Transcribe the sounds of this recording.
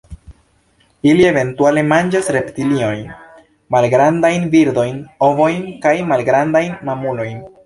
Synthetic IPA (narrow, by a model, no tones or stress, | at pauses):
ilie̞ve̞ntuale̞mand͡ʒasɾe̞ptilio̞jn | malɡɾandajnviɾd̪o̞jno̞vo̞jnkajmalɡɾandajnmamulo̞jn